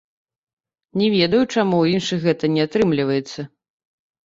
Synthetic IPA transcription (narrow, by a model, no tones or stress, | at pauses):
nʲɛvʲed̪ɐjut͡ʂamuwjinʂɨxɣɛt̪ɐnʲɛat̪ɾɨmlʲivɐjɛt̪sːɐ